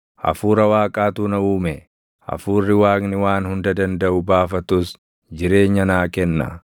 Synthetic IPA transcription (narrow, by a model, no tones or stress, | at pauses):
ʔɐ̰fuːɾɐwaːkʼaːt̪uːnɐuːmɛ | ʔɐ̰fuːrːɪwaːknɪwaːnhʊnd̪ɐd̪ɐnd̪ɐʔʊbaːfɐt̪ʊs | d͡ʒɪɾe̞ːɲːɐnaːkɛnːa̰